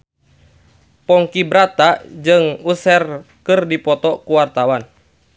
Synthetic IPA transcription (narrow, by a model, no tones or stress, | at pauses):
pɔŋkibɾat̪ad͡ʒɨŋusɛr | kɨrdipɔt̪ɔkuwart̪awan